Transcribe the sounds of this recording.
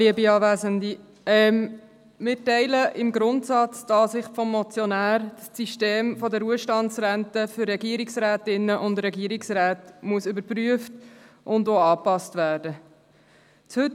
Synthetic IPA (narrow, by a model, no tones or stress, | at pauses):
liəbiɑːvæːzənd̪i | ɛm | mɪːɾtɛɪləʔɪmɡɾʊntsɑt͡sd̥ɑːsɪχfɔmːɔt͡sjɔnæːɾssiʃteːmfɔdəɾuəʃtɑnsɾæntəfʏɾːɛɡiəɾiksɾæːtɪnːəʔʊndɾɛɡiəɾiksɾæːtmuəsʏbəɾpryəft | ʔʊndoːɑːpɑstʋæːɾdə | t͡shɵt